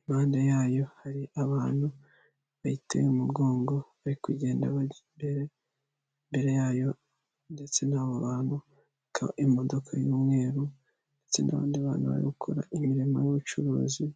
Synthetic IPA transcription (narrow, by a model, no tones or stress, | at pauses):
imaːndejaːjo̞haɾiaβaːn̥hu | βahitʰḛjumuɡo̞ːŋɡo̞ | aɾikuɟe̞ːndaβa | be̞ɾe̞ | mbe̞ɾe̞jaːjo̞ | nde̞t͡se̞naːβoβaːnhu | kʰaʔimo̞do̞kʰajuːmŋe̞ːɾu | nde̞t͡se̞nʔa̰βa̰ːndiβa̰ːnhuβa̰ɾḭɡukʰoɾa̰ʔimiɾimajuβut͡ʃuɾṵːzi